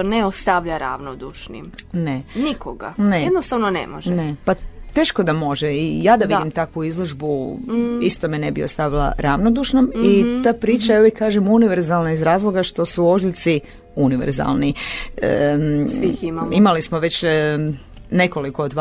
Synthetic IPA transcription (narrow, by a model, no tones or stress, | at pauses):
oneost̪aʋʎaɾa̰ʋnod̪uʃnḭmnenikoɡa̰need̪nost̪aʋnonḛmoʒɛnepat̪e̞ːʃko̞d̪amo̞ʒeijaːd̪aʋdid̪imt̪akʋuizlˠoʒbu | ist̪o̞mene̞biost̪aʋilˠa̰ɾaʋnod̪uʃnomit̪aːpɾiːt͡ʃaeoikaːʒemuniʋeɾzalˠnaizɾaːzlˠo̞ɡaʃt̪o̞suo̞ʒlʲt̪si | uniʋḛɾza̰lˠniə | iimaimalismoʋe̞t͡ɕ | neko̞likoːd̪ʋ